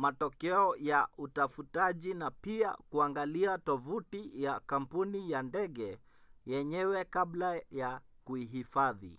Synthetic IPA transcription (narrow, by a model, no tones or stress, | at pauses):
matɔkɛɔjautafutaʄinapia̰kuaŋɡaliatɔvutijakam̩punijandɛɠɛ | jɛɲɛwɛkablajakuiɦifaðḭ